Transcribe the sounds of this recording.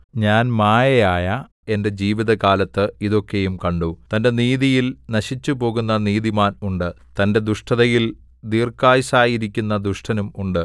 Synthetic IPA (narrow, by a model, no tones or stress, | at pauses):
ɲaːnmaːjɐjaːjɐ | e̞nde̞d͡ʑiːʋiðɐkaːlɐt̪ːɨiðo̞kːe̞jumkɐɳɖut̪ɐnde̞niːðijilnɐɕit͡ɕːupo̞ːɣunːɐniːðimaːnuɳɖɨ | t̪ɐnde̞d̪uʂʈʰɐðɐjil | d̪iːrkːaːjsaːjiɾik̬ʲːunːɐd̪uʂʈʰɐnumuɳɖɨ